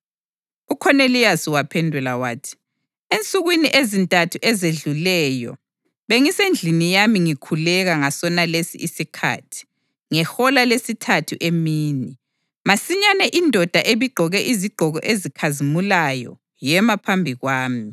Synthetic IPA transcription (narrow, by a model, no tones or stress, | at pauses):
ukʰɔnelijasiwapʰɛndʱulawaːtʰi̥ | ent͡sʼuɣwiniʔezintʼatʰuʔɛzeɮulɛːjɔ̰ | βeŋisend͡ɮʱinijamiŋikʰulɛɣaŋasɔnalesḭʔisikʰa̰tʰi̥ | ŋɛxɔlalesitʰatʰuʔemiːni | masiɲanɛʔindʱɔd̥ʱaʔeβiɡ͡ǃʱɔɣɛʔiziɡ͡ǃʱɔɣɔ̰ʔezikʰazimulajɔ̰ | jɛmapʰambʱiɣwaːmi